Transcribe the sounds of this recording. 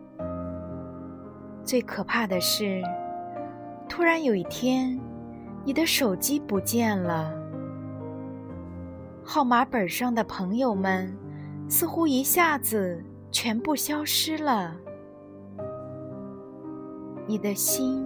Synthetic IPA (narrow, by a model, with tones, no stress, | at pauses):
t͡swe˥˩ɪkʰɤ˨˩pʰa˥˩d̪ə˩ʂɻ̩˥˩ | t̪ʰu˥ɻa˧˥njo˨˩ʊi˥˩t̪ʰjɛ˥n | ni˨˩d̪ə˦ʂo˨˩ʊt͡ɕi˥pu˧˥t͡ɕjɛ˥˩nlə˩ | xɑ˥˩ʊma˧˥pə˞˨˩ʂɑ˥˩ŋd̪ə˩pʰɤ˧˥ŋjo˨˩ʊmə˨nsɹ̩˥˧xu˥i˧˥ɕja˥˩d͡zɹ̩˩ | t͡ɕʰɥɛ˧˥npu˥˩ɕjɑ˥ʊʂɻ̩˥lə˨ | ni˨˩d̪ə˦ɕi˥n